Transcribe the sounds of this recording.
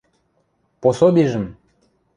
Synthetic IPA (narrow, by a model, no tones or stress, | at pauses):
posobʲiʒə̆m